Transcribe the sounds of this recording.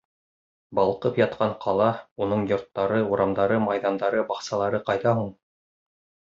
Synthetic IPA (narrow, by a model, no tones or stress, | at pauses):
bɑlˠqɤpjɑt̪̚qɑɴqʰɑlˠɑunɤɴjŏɾt̪ːɑɾɤuɾɑmd̪ɑɾɤmɑjðɑnd̪ɑɾɤbɑχsɑlˠɑɾɤqɑjðɑɦuɴ